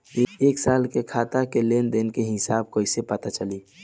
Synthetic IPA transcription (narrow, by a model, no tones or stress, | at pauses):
eːksaːlkekʰat̪akelend̪enkeɦɪsaːb̚koːisepət̪at͡ʃəli